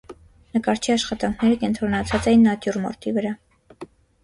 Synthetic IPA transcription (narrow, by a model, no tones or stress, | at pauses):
nəkɑɾt͡ʃʰiɑʃχɑt̪ɑŋkʰnɛɾəkɛnt̪ɾɔnɑt͡sʰɑt͡sɛjinːɑt̪jurmɔ̰ɾt̪ivəɾɑ